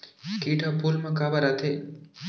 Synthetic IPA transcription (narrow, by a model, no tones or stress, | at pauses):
kiʈapulmãkabaɾat̪ʰe